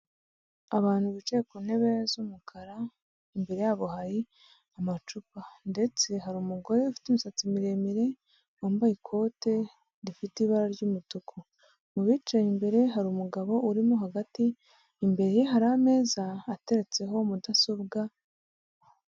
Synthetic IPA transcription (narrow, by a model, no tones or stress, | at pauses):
aβaːn̥huβit͡ʃejekune̞βe̞zumukʰaɾa | imbe̞ɾe̞jaːβohaɾi | amat͡ʃupande̞t͡se̞ɦaɾuːmuɡo̞ɾe̞ufi̥tumisat͡simiɾe̞miɾe̞ | oːmbaikʰo̞ːte̞ | ɾifitiβaɾaɾɟumutukʰo | muβiːt͡ʃajimbe̞ɾe̞ɦaɾumuɡaβo̞ʔuɾimoɦaɡatiː | mbe̞ɾejiɦaɾame̞ːzaːte̞ɾe̞t͡se̞ɦo̞mudaso̞bɡa